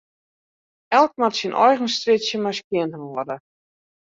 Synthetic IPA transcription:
ɛlˠk̚matsinʔɔ̰jɣən̩strɪsjəmaskjɪəntəʋɔərdə

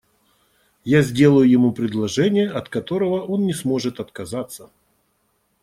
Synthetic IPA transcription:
jazʲdʲe̞lˠəjʊjɪmupɾʲɪd̪lˠɐʐɛnʲɪjəʔɐt̪kɐt̪o̞ɾəvəʔo̞nːʲɪsmo̞ʐɨt̪ɐt̪kɐzat̪sːə

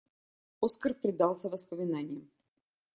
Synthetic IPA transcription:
oskərpɾʲɪd̪ɑlˠsʲəvəspəmʲɪnanʲɪjəm

